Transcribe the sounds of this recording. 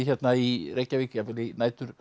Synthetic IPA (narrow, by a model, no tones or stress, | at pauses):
çɛt̪nairecːaviːcɪafɪlɪnaːjt̪ʏɾ̥